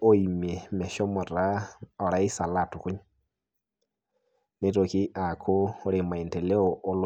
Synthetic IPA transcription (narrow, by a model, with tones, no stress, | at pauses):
o˦i˨mɛ˨mɛ˨ʃɔ˦mɔ˨ɾa˦ɔ˨ɾa˦i˦sa˨la˨tu˨ku˦ɲa | ne˦ɾo˨ki˦ʔa˨kʰo˦ɾe˨ma˨i˨ntɛ˨lɛ˦ɔ˨ʔo˦l